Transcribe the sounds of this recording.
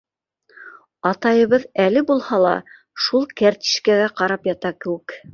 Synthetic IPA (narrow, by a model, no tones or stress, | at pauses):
ɑt̪ɑjɤ̆βɤðælɘbulˠhɑlˠɑ̰ | ʃulˠkæɾt̪i̥ʃkæɡæqɑɾɑpjɑt̪ɑkɘ̆wɘk